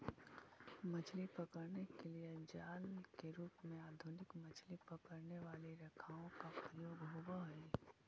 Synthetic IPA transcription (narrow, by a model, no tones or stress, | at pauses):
mɐt͡ʃʰlipɐkəɾnekelied͡ʒaːlkeɾuːpmẽaːd̪ʱʊnɪkmɐt͡ʃʰlipɐkəɾneʋaːliɾɐkʰaːõkapɾəjoːɡɦowaɦɛ